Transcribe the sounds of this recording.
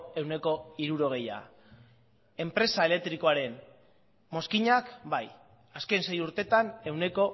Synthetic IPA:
e̞wne̞ko̞iɾuɾo̞ɣ̞e̞ja̰ | e̞mpɾe̞sae̞le̞k̚t̪ɾiko̞aɾe̞n | mo̞skiɲakbaj | aske̞nse̞juɾt̪e̞t̪ane̞wne̞ko̞

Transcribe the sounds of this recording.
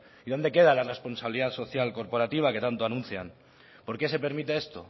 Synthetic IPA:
iðo̞nd̪e̞ke̞ð̞alare̞spo̞nsaβiliðaðso̞θjalko̞ɾpo̞ɾat̪iβ̞ake̞t̪ant̪o̞anũnθja̰n | po̞ɾke̞se̞pe̞ɾmit̪e̞e̞st̪o̞̰

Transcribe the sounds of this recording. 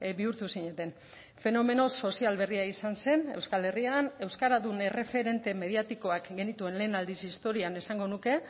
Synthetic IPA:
biuɾt̪usiɲe̞t̪e̞n | fe̞no̞me̞no̞so̞sialβe̞riaisanse̞ne̞wskale̞riane̞wskaɾaðune̞re̞fe̞ɾe̞nt̪e̞me̞ðiat̪iko̞akɡe̞nit̪ue̞nle̞ːnald̪isist̪o̞ɾiane̞saŋɡo̞nuke̞

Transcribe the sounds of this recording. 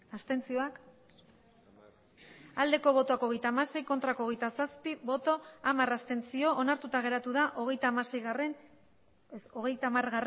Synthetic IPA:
ast̪e̞nt͡sio̞ak | ald̪e̞ko̞β̞o̞t̪oako̞ɣ̞e̞jt̪aːmase̞jko̞nt̪ɾakoɣe̞jt̪asaspiβo̞t̪o̞amarast̪e̞nt͡sio̞ʔonaɾt̪ut̪aɣe̞ɾat̪uðaʔo̞ɣ̞e̞jt̪aːmase̞jɣaren | so̞ɣ̞e̞jt̪amarɣar

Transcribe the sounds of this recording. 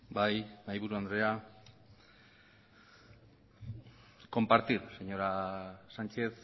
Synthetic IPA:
bajnajβuɾuand̪ɾe̞a | ko̞mpaɾt̪iɾse̞ɲo̞ɾasant͡ʃe̞θ

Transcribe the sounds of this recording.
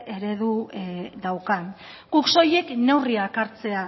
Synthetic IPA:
e̞ɾe̞ðud̪awkan | ɡ̥ukso̞je̞kne̞wriakaɾt͡se̞a

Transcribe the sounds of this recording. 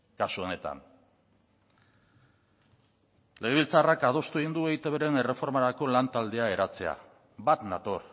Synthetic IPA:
kasuo̞ne̞t̪a̰n | le̞ɣ̞eβilt͡sarakað̞o̞st̪ueɣind̪ue̞it̪e̞βeɾe̞ne̞re̞fo̞ɾmaɾako̞lant̪ald̪e̞ae̞ɾat͡se̞a̰ | bat̪na̰t̪o̞ɾ

